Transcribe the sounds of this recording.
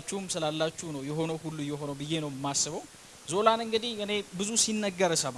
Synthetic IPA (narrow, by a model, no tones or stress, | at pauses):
t͡ʃːɛhmsɨlalːat͡ʃːunəwjɛɦo̞nəwhulːujɛɦo̞nəwbɨjːe̞nəwɪmːasːɨβəw | zo̞lanɨŋɡɨd̪ihɨne̞bɨzusinːəɡːəɾəsəm